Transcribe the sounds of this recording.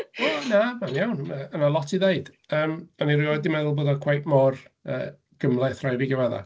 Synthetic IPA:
wɛnamanjawnaənalˠɔtʰiðeɨd̥ | əːmanirɪɔdimɛðʊlˠboːdɔkʰwajpmɔrə̰ː | ɡ̥əmlˠaθrajviɡəvaða̰

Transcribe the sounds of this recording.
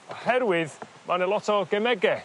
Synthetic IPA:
ɔhɛɾwɪð | mʔanəlˠɔtʰɔɡɛmɛɡɛ

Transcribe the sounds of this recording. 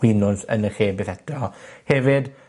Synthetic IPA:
wɪnʊnsə̰nəχeːbeθɛtrɔhɛvɪd

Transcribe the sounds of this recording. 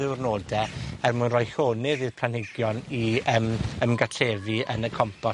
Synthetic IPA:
ɪwrnoːdɛɛrmunrɔjɬoːnɪðið̥pʰl̥anhɪɡjɔniəməmɡatʰreːviənəkʰɔmpʰɔ

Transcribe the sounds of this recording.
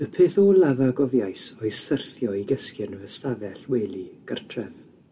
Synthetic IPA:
əpʰeːθolavaɡɔvjajsɔjsərθjɔiɡəskɨnəvəstavɛɬweːliɡ̥ərtʰrɛv

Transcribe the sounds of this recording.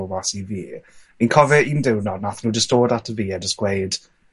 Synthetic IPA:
basiviː | inkʰɔvɛindɪwnɔdnaθnudɪstoːdatʰəviːədəskwejd̥

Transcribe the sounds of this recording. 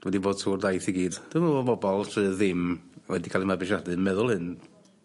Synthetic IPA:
wɛdiboːd̥suːrdajθiɡiːd̥d̥ɪmabɔbɔlˠtʰɨðɪmwɛdikʰaːlˠimabɪʃadɨmɛðʊlˠhɨn

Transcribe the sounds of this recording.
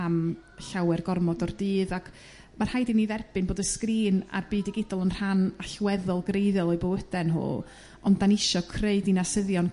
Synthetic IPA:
amɬawɛrɡɔrmɔdɔrdɨːðakʰ | mar̥hajdiniðɛrb̥ɨnboːdəskriːna̰rbɨːdɪɡɪdɔlˠənr̥anaɬwɛðɔlˠɡrejðɛlˠɔjbowəd̥ɛnɦʊ̰ː | ɔndanɪʃɔkʰreɨdinasəðjɔn

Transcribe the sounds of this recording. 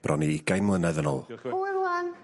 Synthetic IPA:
b̥rʔɔniɡ̥ajmlˠənɛðəno̰ːlˠɾwan

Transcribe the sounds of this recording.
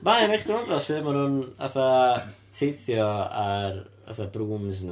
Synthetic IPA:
manejχdɪandrɔsɪmanhʊna̰θa | tʰejθjɔar | a̰θabruːmzn

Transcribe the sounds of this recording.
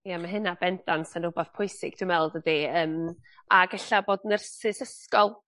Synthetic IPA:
jamaɦɨnabɛndansənʊbaθpʰʊjsɪɡ̥d̥ʰɪmɛlˠdədiəːmaɡɛɬaboːdənərsɪsəskɔlˠ

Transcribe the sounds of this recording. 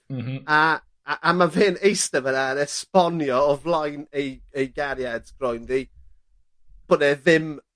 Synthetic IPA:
a | ʔamaveːnejstɛvənaənɛspɔnjɔɔvlˠajnejejɡaɾjadsɡ̥rɔjndi | b̥ənɛðɪm

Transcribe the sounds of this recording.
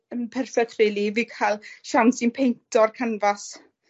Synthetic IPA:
ənpʰɛrfɛtʰrɪlˠivikʰalˠʃansinpʰejntʰɔrkʰanvas

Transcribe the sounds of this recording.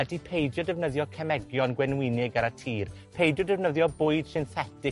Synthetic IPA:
ɛdipʰejdjɔdɛvnəðjɔkʰɛmɛɡjɔnɡwɛnwɪnɪɡaɾatʰiːr | pʰejdjɔdɛvnəðjɔbʊɨd̥sɪnθɛtɪ

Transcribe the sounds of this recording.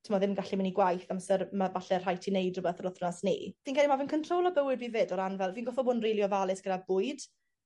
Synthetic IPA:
tʰəmɔðɪmɡaɬimaniɡwajθamsəɾmavaɬɛr̥ajtʰinejdrʊbɛθəɾʊθrnasnḭːv̥inɡɛlimavənkʰəntʰrowlˠɔbəwɪd̚biːvɪdɔɾanvɛlˠviːnɡɔfɔbʊnrejlˠjɔvalˠɪsɡ̥əɾabʊɨd̥

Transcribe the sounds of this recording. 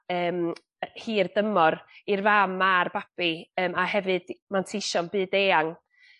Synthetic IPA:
əːm | hiːrdəmɔɾirvamarb̥ab̥iəːmahɛvɨd̥mantʰiʃɔnbɨːdeːaŋ

